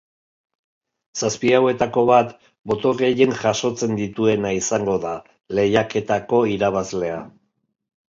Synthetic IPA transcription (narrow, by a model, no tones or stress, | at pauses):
saspiawe̞t̪ako̞βat̪ | bo̞t̪oreje̞ŋʝaʃo̞t͡se̞nd̪it̪ue̞naisaŋɡo̞ða | le̞jake̞t̪ako̞iɾaβ̞azle̞a̰